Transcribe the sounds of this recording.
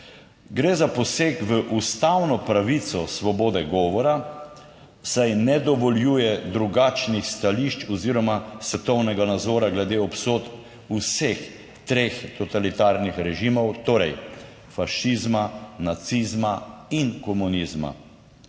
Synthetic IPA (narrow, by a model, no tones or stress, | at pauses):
ɡɾeːzapɔseːkʋəʔust̪awnɔpɾaʋit̪sɔsʋɔboːd̪ɛɡɔːʋɔɾa | sajnɛd̪ɔʋɔljuːjɛd̪ɾuɡaːt͡ʃnixst̪aliʃt͡ʃɔziːɾɔmasʋɛt̪ɔwnɛɡanad̪zɔːɾaɡlɛd̪eːɔpsoːt̪ | usex | t̪ɾeːxt̪ɔt̪alit̪aːɾnixɾɛʒiːmɔwt̪oːɾɛj | faʃizmanat̪sizmainkɔmunizma̰